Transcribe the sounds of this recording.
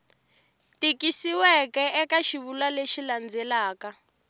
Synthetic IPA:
tikisiwɛkɛɛkaʃiβulaleʃiland͡zɛlaːka

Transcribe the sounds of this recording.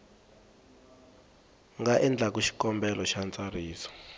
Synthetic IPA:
ŋɡaʔɛnd͡ɮʱak̬uʃi̥kɔmbɛlɔʃant͡sʼariːsɔ̥

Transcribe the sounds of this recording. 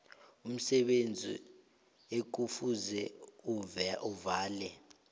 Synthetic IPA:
um̩sɛɓend͡zʱḭ | ek̬ufuzɛuuvaːlɛ

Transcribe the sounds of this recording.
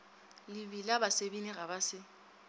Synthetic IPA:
lɪbilabasebinɪɣabasɪ

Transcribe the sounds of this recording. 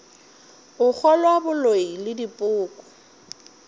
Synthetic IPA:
ʊk͡xʰɔlwabʊloilɪdipʼʊːkʼɔ̥

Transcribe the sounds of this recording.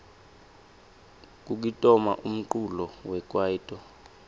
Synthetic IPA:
k̬ʼuk̬itʼɔma̰ʔum̩ǃulɔwɛk̬ʼwaiːtʼɔ

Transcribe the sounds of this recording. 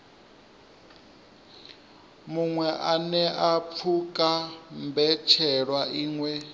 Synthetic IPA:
muŋwɛʔanɛʔap̪fʰukʼambɛt͡ʃʰɛɺwaʔiːŋwɛ

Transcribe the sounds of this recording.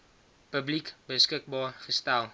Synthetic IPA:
pəblikbəskɪk̚bɑːχəstɛlˠ

